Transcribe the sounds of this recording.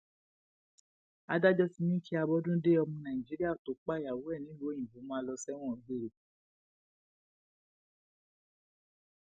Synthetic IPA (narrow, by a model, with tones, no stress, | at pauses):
a˦da˦d͡ʒɔ˦si˧nĩ˦kʰi˦a˧bɔ˦dũ˦de˦ɔ˧mɔ̃˧nã˨ĩ˨d͡ʒi˨˦ɾi˦a˦˨to˨˦k͡pa˦˨ja˨wo˨˦ɛ˦˨nĩ˨˦lũ˦ĩ˨bu˨˦mɔ̃˦lɔ˧sɛ˦w̃ɔ̃˦˨˦be˦ɾe˨